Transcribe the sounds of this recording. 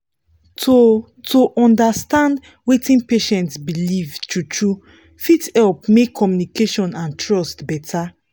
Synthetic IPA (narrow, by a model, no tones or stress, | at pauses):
to | tʰoʔɔ̃ndastãnd | wetĩnpeʃɛ̃ntsbilivtutʰɹu | fitɛlpmekʰːɔmjunikeʃɔ̃nãntɹɔstbɛtʰa